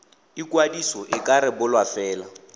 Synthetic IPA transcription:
ikwadisɔʔɪkʼaɾɪbʊlwafɛːla

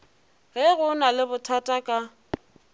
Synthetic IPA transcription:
ɣɛɣʊnalɪbʊtʰatʼakʼa

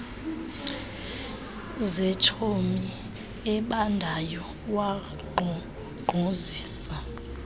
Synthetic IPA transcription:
zɛt͡ʃʰomi | ɛɓandʱajɔ | wa | ɡ͡ǃʱɔ | ɡ͡ǃ̥ʱoziːsa

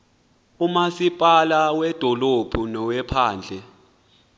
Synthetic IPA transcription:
umasipʼalawɛd̥ʱɔlob̥ʱunɔwɛpʰaːnd͡ɮʱɛ

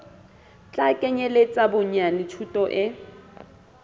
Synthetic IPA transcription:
t͡ɬʼakʼɛɲelet͡sʼabʊɲanɪtʰutʼɔʔɪ

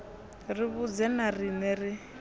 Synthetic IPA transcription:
riβud͡zɛnarinɛri

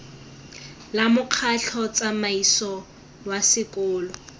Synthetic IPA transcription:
lamʊq͡χʰaɬʰɔt͡sʼamaisɔ | wasɪkʊːlɔ

